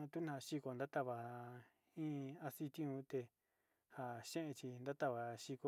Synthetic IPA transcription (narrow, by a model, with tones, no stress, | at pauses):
ã˧t̪u˦nã˧˨˧ʃi˧ko˧˨nd̪a˦t̪a˦˧βa˨ | ĩ˦a˧si˦˧t̪ĩ˦ũ˧˦t̪e˧ | ha˨ʃẽ˦ʔẽ˧t͡ʃi˧nd̪a˦t̪a˧βa˨ʃi˧ko˧